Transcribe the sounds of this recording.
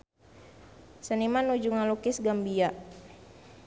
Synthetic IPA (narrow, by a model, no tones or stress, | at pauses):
sənimanud͡ʒuŋalukɪsɡambia